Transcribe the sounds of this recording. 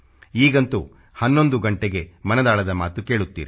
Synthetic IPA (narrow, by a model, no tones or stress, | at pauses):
iːɡɐnt̪u | hɐnːo̞nd̪uɡɐɳʈeɡe̞mɐnɐd̪aːɭɐd̪ɐmaːt̪uke̞ːɭut̪ːḭːɾi